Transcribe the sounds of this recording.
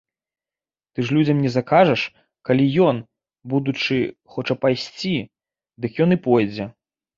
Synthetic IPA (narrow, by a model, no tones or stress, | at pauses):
t̪ɨʐlʲud͡zʲɐmnʲɛzɐkaʐɐʂ | kalʲijɔn | bud̪ut͡ʂɨxɔt͡ʂɐpajsʲt͡sʲi | d̪ɨkjɔnipɔjd͡zʲɛ